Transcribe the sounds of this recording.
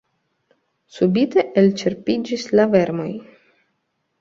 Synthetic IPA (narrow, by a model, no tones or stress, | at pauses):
subit̪eʔelt͡ʃeɾpid͡ʒislaveɾmo̞j